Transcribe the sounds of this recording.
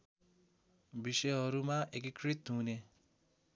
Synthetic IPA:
bisʌjɦʌɾumãʔekikɾit̪̚ũne

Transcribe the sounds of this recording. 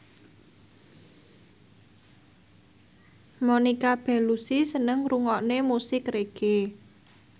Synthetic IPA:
monikab̥ɛ̤lusisənəŋruŋɔʔnemusɪkreɡ̥e

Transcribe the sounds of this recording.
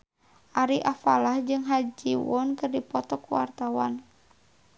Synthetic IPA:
ʔaɾiʔafalahd͡ʒɨŋɦad͡ʒiwɔnkɨrdipɔt̪ɔkuwa̰rt̪awa̰n

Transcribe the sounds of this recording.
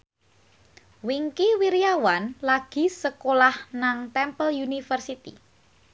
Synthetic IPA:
wiŋkiwiɾijawanlaɡ̥i̤səkolahnaŋt̪ɛmpəljunifərsit̪ḭ

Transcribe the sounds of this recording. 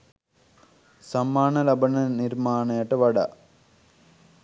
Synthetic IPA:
samːaːnɐlɐbɐnɐniɾmaːnɐjəʈəʋɐɖa̰

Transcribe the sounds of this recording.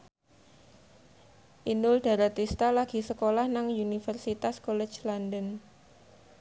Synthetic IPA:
ʔinʊld̥a̤ɾat̪ist̪alaɡ̥i̤səkolahnaŋunifərsit̪askolɛ̥t͡ʃlandən

